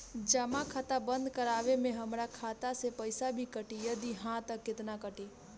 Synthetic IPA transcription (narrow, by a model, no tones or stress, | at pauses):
d͡ʒəmakʰat̪abə̃nd̪kəɾaːʋemẽɦəmɾakʰaːt̪asepəɪsabʱikəʈijɐd̪iɦãt̪əkːɪt̪nakəʈe